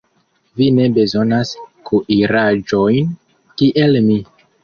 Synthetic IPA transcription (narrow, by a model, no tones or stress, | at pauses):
vine̞be̞zo̞naskuʔiɾad͡ʒo̞jn | kiʔe̞lmi